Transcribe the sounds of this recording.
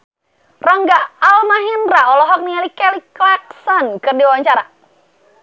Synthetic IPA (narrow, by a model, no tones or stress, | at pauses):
raŋɡaalmaɦinraɔlɔɦɔk̚nialikɛliklak̚sɔnkɨrdiwawaɲt͡ʃaɾa